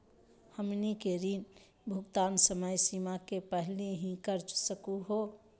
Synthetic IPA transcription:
həmnikeɾin | bʱuɡt̪ansəməjsimakepəɦliɦĩkəɾt͡ʃsəkuɦo

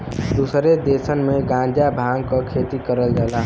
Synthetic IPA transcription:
d̪usɾed̪esənmeɡãnd͡ʒabʱãŋɡkəkʰet̪ikəɾəld͡ʒaːlaɦ

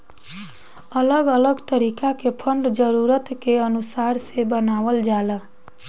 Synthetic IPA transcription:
ələɡələɡt̪əɾikakepʰəɳɖd͡ʒəɾuɾət̪keənusaɾsebənaʋəld͡ʒalə

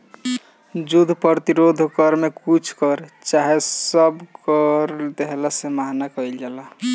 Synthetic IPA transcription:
d͡ʒud̪ʱpəɾt̪iɾod̪ʱkəɾmekut͡ʃʰkʌɾt͡ʃaɦesəbkəɾd̪eɦlasemaɦnakəild͡ʒala

